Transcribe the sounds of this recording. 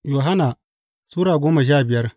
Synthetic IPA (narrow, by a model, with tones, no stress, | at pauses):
joː˨ɦa˦naː˨ | suː˦ɾaː˨ɡʷoː˦ma˨ʃ̬aː˦˨bɪ˨jɐ˦r